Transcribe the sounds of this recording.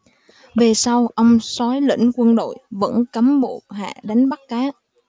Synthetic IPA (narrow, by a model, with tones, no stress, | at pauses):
ve˨˩sa˧wʔə˧wŋ͡msɔ˨˦jlḭ̈˧˥ŋ̟kwə˧nɗo̰˧˨jvə̰˧˥nkaː˨˦mɓo˧˨˩t̚ɦa̰ː˧˨ɗa˨˦jŋ̟ɓa˦˥t̚kaː˨˦